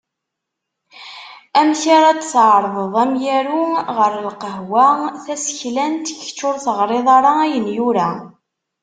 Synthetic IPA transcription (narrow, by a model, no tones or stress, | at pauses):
æmçaɾæd̪sʕɾˤðˤəðˤæmjæɾuʁəɾəlqəɦwæθæsçlænt̪əçt͡ʃːʊɾθəʁɾˤeðˤɑɾˤɑæjənjʊɾæ